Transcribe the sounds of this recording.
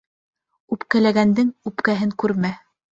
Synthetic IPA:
ʉpkælæɡænd̪ɘŋʉpkæɦɘŋkʉɾmæ

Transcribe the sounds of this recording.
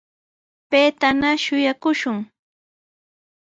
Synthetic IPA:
pejt̪anaʃʊjakʊʃʊŋ

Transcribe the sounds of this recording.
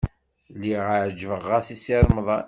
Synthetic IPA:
liʁəʕd͡ʒvəʁːasisiɾˤməðˤ

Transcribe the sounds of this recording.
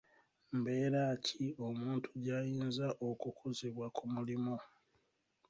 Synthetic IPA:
mbe̞ːɾaːcʰio̞muːntʰuɟajiːnzaʔokukʰozeβwakumulimo̞

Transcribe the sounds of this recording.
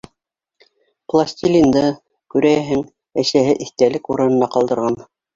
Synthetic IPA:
plˠasʲt̪ʲilʲind̪ɤ | kʉɾæɦɘŋ | æʃæɦɘʔiθt̪ælɘkuɾɤ̆nɤ̆nɑqɑlˠd̪ɤ̆ɾʁɑn

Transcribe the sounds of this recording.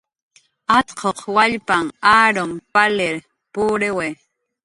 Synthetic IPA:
at̪qʰoqwaʎpaŋaːɾompalɪɾ | pʊːɾewe

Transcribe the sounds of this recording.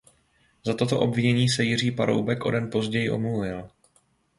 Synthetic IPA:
zat̪o̞t̪o̞ʔo̞bvɪɲɛɲiːsɛjɪr̝iːpaɾo̰wbɛkʔo̞̰dɛnpo̞zɟɛjɪʔo̞̰mluvɪl

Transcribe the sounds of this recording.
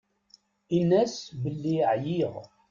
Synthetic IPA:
inːæsbəlːiʕjiʁ

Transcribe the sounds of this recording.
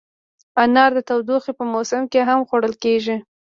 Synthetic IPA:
anɑɾd̪ət̪awd̪uxepəmosɪmkeɦamxoɽəlkeʒi

